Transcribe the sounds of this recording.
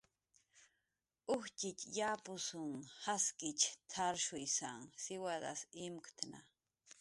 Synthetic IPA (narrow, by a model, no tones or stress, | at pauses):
ʊht͡ʃɪt͡ʃjapʊsʊŋhaskɪt͡ʃt̪ʰaɾʃʊjsaŋsɪwad̪a̰simkt̪ʰna̰